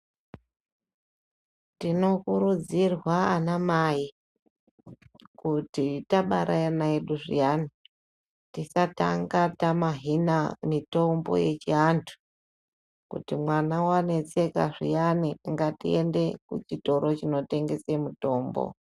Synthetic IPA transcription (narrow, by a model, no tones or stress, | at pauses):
tino̞kuɾud͡zirwaanamaji | kutitaɓaɾʔajanaeɗuʐḭjani | tisata̰ŋɡatamaɦinamito̞mbo̞̰je̞t͡ʃiantʰu̥ | kṵtimwanawane̞t͡se̞kaʐḭjaniaŋɡatḭe̞nde̞kṵt͡ʃito̞ɾo̞t͡ʃino̞te̞ŋɡe̞se̞muto̞ːmbo̰